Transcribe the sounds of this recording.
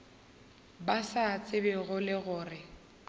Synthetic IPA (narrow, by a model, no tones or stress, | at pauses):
basat͡sʼɪbɪɣʊlɪɣʊːrɪ